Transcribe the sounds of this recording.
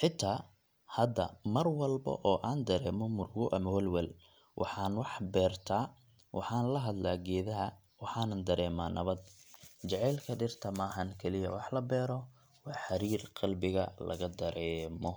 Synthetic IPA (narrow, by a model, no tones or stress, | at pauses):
ħɪt̪ʰːaː | hɐd̪ɐmɐrwɑlbɐ̰ʔɔːʔaːnd̪ɐɾɛːmɔmʊrɡʊʔɐmɐwɐlwɛl | wʔɑ̰ħɑːnwɑħbɛːrt̪ʰaː | wʔɑ̰ħɑːnlɐɦɐd̪laːɡɛːðɐɦɐ | wɑħɑːnɐnd̪ɐɾɛːmaːnɐβɐd̪t͡ʃɛʕɛːlkʰɐɖɪrt̪ʰɐmaːɦɐnkʰɛlɪjɐ̰wɑħlɐbɛːɾɔ | wɑːħɐɾiːrqɑlbɪɣɐlɐ̰ɣɐd̪ɐɾɛːmɔ